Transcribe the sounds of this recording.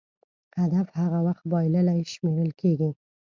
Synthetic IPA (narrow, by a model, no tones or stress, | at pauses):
had̪afhaɣawaxt̪̚bɑjlalajʃmeɾəlkʰeɡi